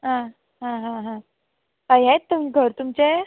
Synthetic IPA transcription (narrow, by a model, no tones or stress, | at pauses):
ɦã | ɦãɦãɦã | ajɦet̪ːum̤iːɡʱəɾt̪umt͡ɕe